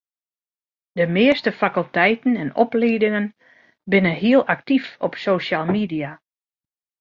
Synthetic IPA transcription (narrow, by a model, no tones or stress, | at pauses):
d̥əmɪəstəfakəlˠtɛjtn̩ɛnɔ̰pliːdɪŋən | bɪnənɦiəlˠʔak̚tifɔpsoːʃaːlˠmidia